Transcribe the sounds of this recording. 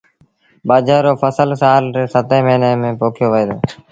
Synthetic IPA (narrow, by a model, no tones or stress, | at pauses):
baːd͡ʒaːɾoːfəsəlsaːlɾeːsət̪ẽːməːnəːmẽːpoːkʰjoːʋəeːd̪o̰ː